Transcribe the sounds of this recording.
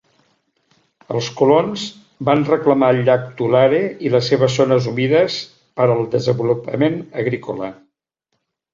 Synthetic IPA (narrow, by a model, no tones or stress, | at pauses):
ə̰lˠskulonz | banrəkləmaəʎːak̚t̪ulaɾeiləsːeβ̞əzːonəzumiðəs | pəɾəlˠd̪əzəmbulupə̰menəɣɾikolə